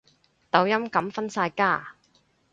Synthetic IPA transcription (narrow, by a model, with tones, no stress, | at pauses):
t̪ɐ˨˥wjɐ˥mkɐ˨˥mfɐ˥nsaː˧jkaː˥˩